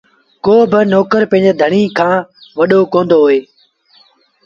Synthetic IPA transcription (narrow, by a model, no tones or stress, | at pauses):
koːbɪnoːkəɾpə̃ɦɪ̃d͡ʒeːd̪ʱəɳ̃iːkʰãːʋəɗoːkõːnd̪oːɦoːeː